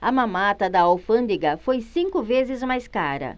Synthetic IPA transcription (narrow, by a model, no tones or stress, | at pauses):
ɐmãmat̪ɐd̪ɐawfɐ̃nd̪iɡɐfojsĩŋkʊvezɪzmajskaɾɐ̰